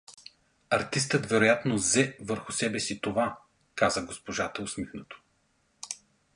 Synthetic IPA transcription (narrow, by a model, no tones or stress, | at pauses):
ɐɾt̪ist̪ət̪vɛɾojat̪nozɛvəɾxʊsɛbɛsit̪ova | kazəɡospoʒat̪ɐʊsmixnot̪o̥